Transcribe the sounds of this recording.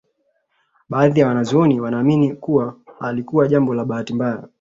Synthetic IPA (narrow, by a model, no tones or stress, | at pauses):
ɓaːðijawanazɔɔniwanaːminikuwahalikuwaʄambɔlaɓahatimbaja̰